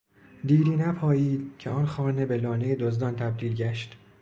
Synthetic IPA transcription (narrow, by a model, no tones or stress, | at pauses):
d̪iːɾiːnæpʰɒːjiːd̪̥cʰeɒnxɒːnebelɒːnejed̪ozd̪ɒnt̪ʰæb̚d̪iːlɟæʃt̪